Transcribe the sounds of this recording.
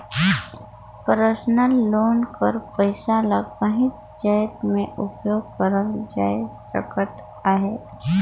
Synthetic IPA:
pəɾəsnəlːoːnkəɾpəɪsaləkəɦɪt | d͡ʒaːjt̪mẽʔʊpjoːɡ̚kəɾəld͡ʒasə̰kət̪ | aɦeː

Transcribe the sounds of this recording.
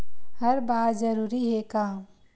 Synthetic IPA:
hɐɾbaːt̪zəɾuːɾiɦekaː

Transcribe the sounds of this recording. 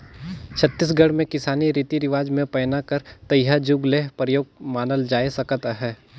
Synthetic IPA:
t͡ʃʰɐt̪ːɪs̬ɡɐɽmẽkɪsaːniɾit̪iɾɪʋaːd͡ʒmẽpɛːnakəɾt̪ɐjɦad͡ʒʊɡleːɦpɾəjoːɡ̚maːnəld͡ʒaːesɐkt̪aɦɛː

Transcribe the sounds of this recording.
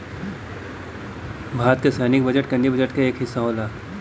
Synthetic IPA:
bʱaːt̪̚kesɛːnɪk̚bəd͡ʒəʈkɐ̃nd̪ibəd͡ʒəʈkeeːkɦɪsːaolaːk

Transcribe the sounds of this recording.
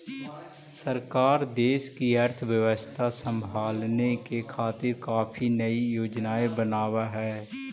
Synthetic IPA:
səɾkaːɾd̪eːʃkiəɾt̪ʰʋjəʋəst̪ʰasə̃mbʱaːlnekekʰaːt̪ɪɾkaːpʰinəijoːd͡ʒnaːebənaːʋaɦɛː

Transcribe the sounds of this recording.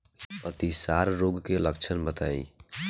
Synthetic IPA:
ət̪isaːɾɾoːɡkeləkt͡ʃʰənbət̪aːḭː

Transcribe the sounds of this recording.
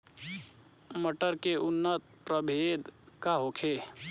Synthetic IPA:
məʈəɾkeʔʊnːət̪̚pɾəbʱeːd̪kaɦokʰeː

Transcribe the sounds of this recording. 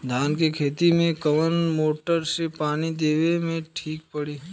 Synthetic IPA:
d̪ʱaːnkekʰeːt̪imẽkəʋənmoːʈəɾsepaːnid̪eːʋemẽʈʰiːk̚pəɽiː

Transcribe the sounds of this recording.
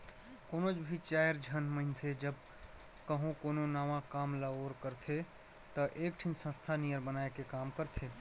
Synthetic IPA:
koːnod͡ʒbʱit͡ʃaːjəɾd͡ʒʱənməɪnsed͡ʒəb | kəɦũkoːnonaːmãkaːmlaoːɾkəɾt̪ʰe | t̪əʔeːk̚ʈʰinsə̃st̪ʰanijəɾbənaːekekaːmkəɾt̪ʰe

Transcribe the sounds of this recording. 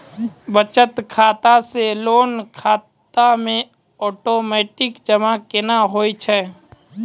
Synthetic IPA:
bət͡ʃət̪kʰaːt̪aseloːnkʰaːt̪amẽ | ɔːʈoːmɛːʈɪkd͡ʒəmakɪnaɦoːit͡ʃʰɛː

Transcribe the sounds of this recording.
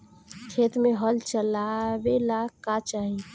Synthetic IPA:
kʰeːt̪mẽɦəlt͡ʃəlawelakat͡ʃaːɦi

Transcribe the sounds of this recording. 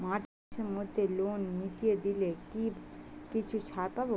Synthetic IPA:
maʈ | semɔd̪ʱːelonmiʈijed̪ilekibkit͡ʃʰut͡ʃʰaɾpabo

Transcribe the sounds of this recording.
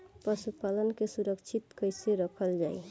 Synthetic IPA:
pɾəsupalənkesuɾəkt͡ʃʰit̪kəjseɾəkʰəld͡ʒaj

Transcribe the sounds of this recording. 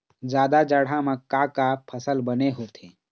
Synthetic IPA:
d͡ʒjaːd̪ad͡ʒəɽ̤ãmə̃kːakapʰəsəlbəneɦot̪ʰẽː

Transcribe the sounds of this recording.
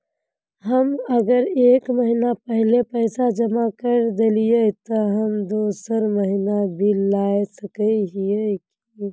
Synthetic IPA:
ɦəmɐɡəɾeːkməɦinapəɦlepɛːsad͡ʒɐmakəɾd̪eliet̪oɦəmd̪oːsəɾməɦinabʱilaːesɐkəiɦijek | i

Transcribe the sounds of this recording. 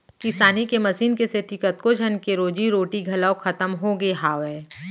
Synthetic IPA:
kɪsaːnikemɐsiːnkeset̪ɪkət̪̚kod͡ʒʱənkeɾoːd͡ʒiɾoːʈiɡʱɐlaoxʰɐt̪əmɦoɡeɦaːwɛː

